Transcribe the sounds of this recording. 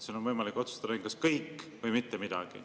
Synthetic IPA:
senonvɤjmɑlikːˑot̪su̥st̪ɑd̪ɑiŋkɑskɤjkːvɤjmit̪ːemid̪̥ɑ̰ɡ̥ḭ

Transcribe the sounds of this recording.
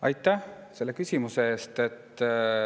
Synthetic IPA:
ɑjt̪ːˑæh | se̞lːe̞kysʲimuseeːst̪e̞t̪ː

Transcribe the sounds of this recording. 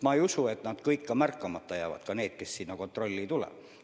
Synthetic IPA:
mɑːejusuet̪nɑːd̪̥kɤjkːɑmærkːˑɑmɑt̪ːɑjæːvɑ̰t̪kɑne̞ːt̪̚kessinːɑko̞nt̪ro̞lʲːit̪ulḛ

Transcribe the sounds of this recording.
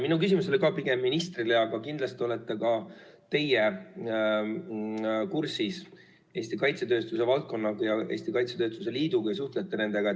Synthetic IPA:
minukysimuso̞likɑːpiɡ̥e̞mːinist̪rileɑɡ̥ɑkind̪lɑst̪io̞let̪ːˑe̞kɑt̪e̞je | kursis | e̞ːsʲt̪ikɑjt̪se̞t̪ø̞ːst̪use̞vɑlt̪̚ko̞nːɑɡ̥ɑjɑʔeːst̪ikɑjt̪set̪ø̞ːst̪vuse̞liːd̪̥ukjs̬uht̪le̞t̪ːe̞ne̞nd̪e̞ɡ̥ɑ

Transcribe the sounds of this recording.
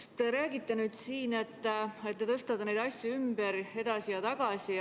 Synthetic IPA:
st̪eɾæːɡit̪ːe̞nyːd̪̥siːne̞t̪ːe̞t̪ːet̪ɤst̪ɑt̪ːɑne̞jd̪ɑsʲjuymb̥eɾe̞d̪ɑsijɑt̪ɑɡ̥ɑsi

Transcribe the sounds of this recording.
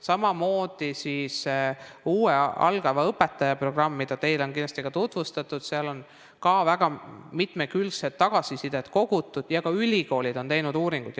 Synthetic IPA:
sɑmɑmo̞ːd̪̥isiːs | uːeɑ̰lɡ̥ɑvɑɤpːet̪ːˑɑjɑpro̞ɡ̥rɑmːid̪̥ɑt̪e̞jlo̞nkinlɑst̪iɡ̥ɑt̪ut̪vust̪ɑt̪ːˑud̪̥seɑlo̞n | kɑvæɡ̥ɑmit̪mekylkset̪ːɑɡ̥ɑsisid̪̥e̞t̪ko̞ɡ̥ut̪ːˑud̪̥jɑkɑylʲiko̞ːlʲid̪̥o̞nt̪e̞jnud̪uːɾiŋɡ̥ud̪̥

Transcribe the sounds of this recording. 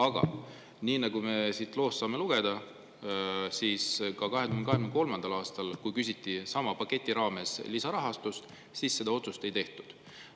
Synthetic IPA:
ɑɡ̥ɑ̰ | niːnɑɡume̞sit̪ːˑlo̞ːsːɑːme̞luɡ̥e̞d̪ɑ | siːskɑkɑɦeɡ̥̪uyheneɑeɡmnko̞lmɑnd̪̥ɑlɑːst̪ɑlkujkysʲit̪ːisɑmɑpɑkːˑe̞t̪ʲːˑiɾɑːme̞slisɑɾɑɦɑst̪ust̪ | siːsse̞d̪ɑo̞t̪sust̪e̞jt̪e̞ht̪u̥d̪̥

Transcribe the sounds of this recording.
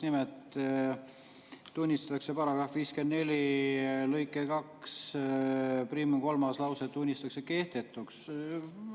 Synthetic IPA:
nimet̪ | unʲːist̪ɑt̪ːˑɑkse̞pɑɾɑɡ̥ɾɑfviːske̞nd̪ne̞lʲilɤjkːˑekɑks | priːmko̞lmɑslɑwset̪ːunʲːist̪ɑkseke̞ht̪e̞t̪ːˑuks

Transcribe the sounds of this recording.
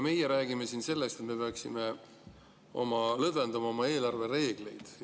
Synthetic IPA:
me̞jeɾæːɡime̞sinse̞lːe̞st̪et̪me̞peɑksime̞ | o̞mɑlɤd̪vend̪ɑmɑo̞mɑe̞ːlɑrve̞re̞ːɡ̥le̞jd̪̥

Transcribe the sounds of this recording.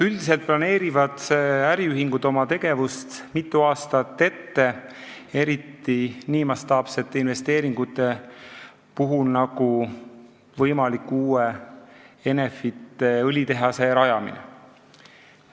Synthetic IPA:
yld̪ise̞lt̪̚plɑne̞ːɾivɑd̪̥æɾiyɦiŋɡud̪o̞mɑt̪e̞ɡ̥e̞vust̪mit̪ˑːuɑːst̪ɑt̪ːe̞t̪ːe̞ | e̞ɾit̪ːiniːmɑst̪ɑːpse̞t̪ːˑe̞inve̞st̪e̞ːɾiŋɡ̥ut̪ːˑe̞ | puɦulnɑku | vɤjmɑlikːˑuːe | e̞ne̞fit̪ːˑe̞ɤlʲit̪e̞ɦɑse̞ɾɑjɑmḭnḛ

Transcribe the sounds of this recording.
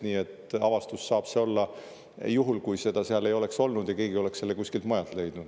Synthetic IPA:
niːe̞t̪ˑɑvɑst̪usːɑːb̥se̞o̞lːɑ | juɦulkujse̞d̪̥ɑseɑle̞jo̞le̞kso̞lnud̪̥jɑke̞ːɡio̞le̞kselːekusʲkilt̪mɑjɑlt̪le̞jd̪̥nud̪̥

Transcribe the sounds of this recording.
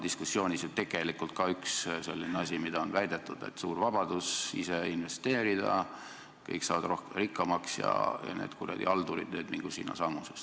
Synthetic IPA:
d̪̥iskusːjo̞ːnʲisot̪e̞ɡ̥e̞likult̪̚kɑyksse̞lʲːineɑsʲimid̪ɑonvæjd̪e̞t̪ːˑud̪̥e̞̰t̪ːsuːrvɑb̥ɑd̪̥usiseinve̞st̪e̞ːɾid̪̥ɑ̰ | kɤ̰jksɑ̰ːvɑd̪ɾo̞hkerikːˑɑmɑksjɑ̰jɑ̰neːd̪̥kurɑ̰d̪ḭɑld̪uɾḭd̪̥nøːd̪miŋɡ̥usḭːnːɑ̰sɑmːuses

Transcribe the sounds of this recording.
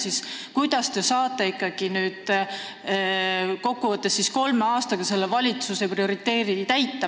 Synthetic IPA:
siskujd̪̥ɑst̪e̞sɑːt̪ˑːe̞ikˑːɑɡ̥inyːd̪̥ | ko̞kːuvɤt̪ːˑesːisko̞lmeɑːst̪ɑɡ̥ɑse̞lːevɑlʲit̪suse̞prio̞ɾit̪ːe̞ːɾinit̪æjt̪ːˑɑ

